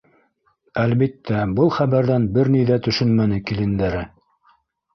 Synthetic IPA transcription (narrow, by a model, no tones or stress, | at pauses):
ælβit̪ːæbɤlˠχæβæɾðænbɘɾnijðæt̪ɵ̆ʃɵnmænɘkilɘ̆nd̪æɾɘ